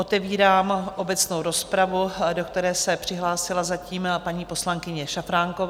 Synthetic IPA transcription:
ot̪ɛviːɾaːmʔo̞bɛt͡snowɾo̞spɾavudo̞kt̪ɛɾɛːsɛpr̥ɪɦlaːsɪlazaciːmpaɲiːpo̞slaŋkɪɲɛʃafɾaːŋkov

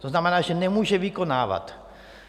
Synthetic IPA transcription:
t̪oznamenaːʃenemuʃeʋikonaːʋa̰t̪

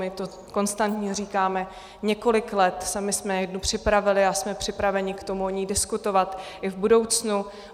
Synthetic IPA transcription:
mɪt̪o | ko̞nst̪ant̪ɲɛriːkaːmɛ | ɲɛko̞lɪklɛt̪samɪsmɛjɛdnupr̝̥ɪpɾavɪlɪasmɛpr̥ɪpɾavɛɲɪkt̪o̞muoɲiːdɪskut̪o̞vat̪ʔɪvbudo̞wt͡snu

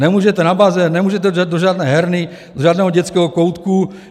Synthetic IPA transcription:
nɛmuːʒɛt̪ɛnabazɛnɛmuːʒɛt̪ɛadoʒaːd̪nɛːɦɛɾnɪ | d̪oʒaːdnɛːɦoɟɛt͡skɛːɦokowt̪ku

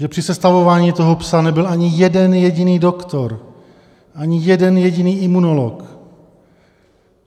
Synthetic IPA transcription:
ʒɛpr̥ɪsɛst̪avo̞vaːɲiːt̪o̞ɦopsanɛbɪlʔaɲɪjɛdɛnjɛɟiniːdo̞kt̪o̞ɾ | ʔaɲɪjɛdɛnjɛɟiniːʔimunolo̰k

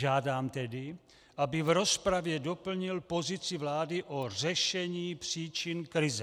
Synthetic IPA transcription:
ʒaːdaːmt̪ɛdi | ʔabivɾɔspɾavjɛdopl̩ɲilpozit͡sivlaːdiʔorɛʃɛɲiːpr̝̥iːt͡ʃinkɾizɛ

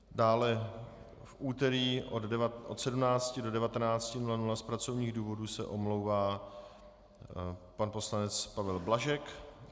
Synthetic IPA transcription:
daːlɛ | fʔuːt̪ɛɾiːʔoʔot̪sɛdumnaːt͡scɪdo̞dɛvat̪ɛnaːt͡scɪnulanulaspɾat͡so̞vɲiːɣduːvo̞dusɛ̰ʔo̞mlowvaː | panpo̞slanɛt͡spavɛlblaʒɛk

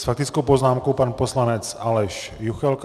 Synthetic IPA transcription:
sfak̚t̪ɪt͡skowpo̞znaːmkowpanposlanɛt͡sʔalɛʃjuxɛlk

